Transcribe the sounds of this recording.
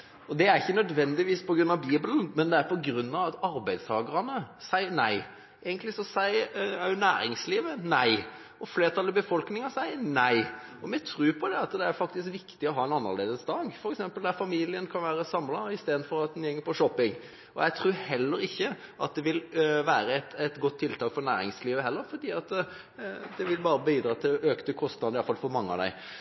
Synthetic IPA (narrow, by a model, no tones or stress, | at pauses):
ɔd̪ɛæɾɪçːənœd̪ʋɛnd̪ɪʋiːspʰɔɡɾʉnːɑʋbiːbəlnmɛnd̪ɛæɾpʰɔɡɾʉnːɑʋɑt̪ɑɾbæɪd̪st̪ʰɑːɡəɾənəsæɪəɾnæ̰ɪ | eːɡənt̪lɪsɔsæɪænæːɾɪ̰ŋsliːʋənæɪ | ɔfleːɾt̪ʰɑlːɔbəfɔlknɪŋɑsæɪənæɪɔmɛt̪ʰɾʉːpʰɔd̪ɛɑt̪d̪ɛæɾfɑkt̪ɪs̬kʋɪkt̪ɪɔɦɑːɛnɑnːə̰leːd̪əsd̪ɑːɡfɔɾɛksɛmpəld̪æɾfɑmiːlɪənkʰɑnʋæːɾəsɑmlɑɪst̪eːd̪nfɔɾɑt̪̚d̪ɛnjɛŋːəɾpʰɔʂɔpːɪŋ | ɔ̰jæɪt̪ʰɾuːɾhɛlːəɾɪçːəʔɑt̪̚d̪ɛʋɪlʋæːɾəɛt̪ɛt̪ɡɔt̪ʰːɪlt̪ʰɑːkfɔɾnæ̰ːɾɪ̰ŋsliːʋəɦɛlːəɾfɔɖ̪iːɑt̪ | d̪ɛʋɪlbɑːɾəbiːd̪ɾɑːt̪ʰɪløːkt̪əkʰɔst̪nɑd̪əɪɑlfɑlfɔɾmɑŋːəɑ̰d̪æ̰ɪ